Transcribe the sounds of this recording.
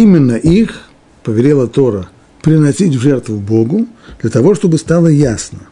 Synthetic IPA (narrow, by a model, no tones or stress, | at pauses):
imʲɪnːəʔix | pəvʲɪɾʲelˠət̪o̞ɾə | pɾʲɪnɐsʲitʲvʐɛrt̪vʊbo̞ɡʊd̪lʲɐt̪ɐvo̞ʂt̪o̞bɨst̪alˠəjasnə